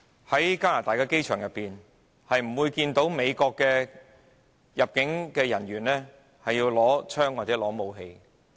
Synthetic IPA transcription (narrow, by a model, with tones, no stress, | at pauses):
hɐ˨˥jkaː˥laː˨t̪aː˨˩jkaː˧ke˥jt͡ʃʰœː˨˩ŋjɐ˨pːiː˨n | hɐ˨jm̩˨˩wuː˧jkiː˧nt̪o˨˥wme˨˧jkɔː˧kːɛː˧ | jɐ˨p̚kɪ˨˥ŋkɛː˧jɐ˨˩nɥyː˨˩nlɛː˥ | hɐ˨jːiː˧wlɔː˨˥t͡ʃʰœː˥ŋwa˨t̚t͡sɛː˨˥lɔː˨˥mo˨˧wɦe˧j